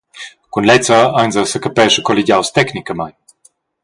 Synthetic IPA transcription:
kunlɛt̪t͡ssaanzəsəkəpɛʃəkoliɟʲawst̪ɛknikəmajn

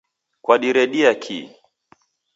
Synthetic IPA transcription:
kwaɗiɾɛɗiakʰḭ

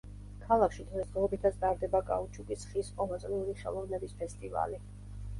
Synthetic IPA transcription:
kʰalˠakʰʃid̪ʁɛsd̪ʁɛɔbit̪ʰat̪sʰd̪aɾd̪ɛbakʼa̰ut͡ʃʰuɡisχisqʼɔmasʼɾiuɾiʃɛ̰lˠɔvnɛbispʰɛst̪ʼiva̰li

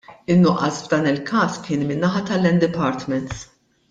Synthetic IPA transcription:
ɪnːʊʔːɐsvd̪ɐːnɪlkʰɐːskɪːnmɪnːɐħɐt̪ɐlːɛnd̪ɪpɐːɾt̪mɛnt̪s

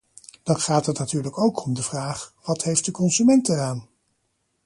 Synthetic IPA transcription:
d̥ɑnχaːtətnatyːɹləkowkʰɔmdəv̥raːχʋɑtɦejft̚dəkɔnzymɛntəraːn

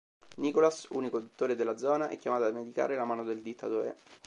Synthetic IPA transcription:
nikolasṵːnikod̪ut̪ːoːɾed̪elːad̪zɔːnaʔɛ̰kːjamaːt̪amed̪ika̰ːɾelamaːnod̪eld̪it̪ʰːat̪oːɾḛ

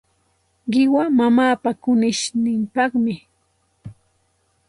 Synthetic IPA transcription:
ɢɪwamamaːpakʊnɪʃnɪmpɑχmɪ

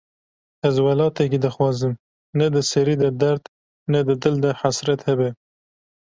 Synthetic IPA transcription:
azwalɑt̪akid̪əxwɑzəm | nad̪əsaɾid̪əd̪aɾd̪ | nad̪əd̪ɪld̪əhasɾat̪habe

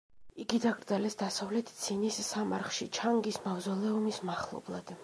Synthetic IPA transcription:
iɡid̪aɡɾd̪zalɛsd̪asavlɛt̪ʰt̪sʰinisːamaɾχʃit͡ʃʰaŋɡismavzɔlɛɔmismaχlˠɔ̰blˠa̰d̪̥

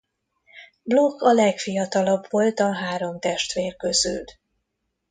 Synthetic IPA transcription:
blokːɒlɛkfijɒt̪ɒlɒbvo̞lt̪ɒɦaːɾo̞mt̪ɛʃt̪ʋeːrkøzy̰l

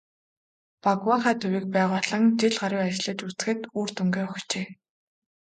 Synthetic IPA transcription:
pakwaχaːt̪ʰɵwiːk̚pæːʁʊːɮə̆ŋt͡ɕeɮɢaɾiːat͡ɕɮɘ̆t͡ɕut͡sɘ̥̆xɘ̆t̪uːr̥t̪ɵŋɡeːɔxt͡ɕeː

